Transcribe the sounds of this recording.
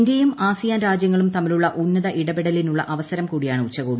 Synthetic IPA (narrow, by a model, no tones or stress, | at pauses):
ndejumaːsijaːnɾaːd͡ʑjɐŋːɐɭumt̪ɐmɐluɭːɐʔunːɐðɐʔiɽɐbiɽɐlinuɭːɐ̰ʔɐʋɐsɐɾɐmkuːɽijaːɳɨut͡ɕːɐɣoːb